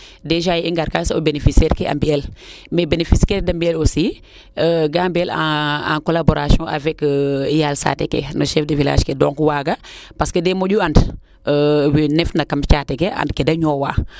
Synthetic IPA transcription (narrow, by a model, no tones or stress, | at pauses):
deʒajiŋɡaɾkasobenefisɛːɾkea̰mbiel | mebenefiskɛɾdambielosi | əɡaːmbielaa̰nkolaboɾasɔ̃ʔavɛkijalsa̰tḛkḛnəʃɛfdəvila̰ːʃkedoŋkuwaːɡapaskədemoɟuand | əwinɛfnakamt͡ʃatekea̰ndkedɐɲoːwa̰ː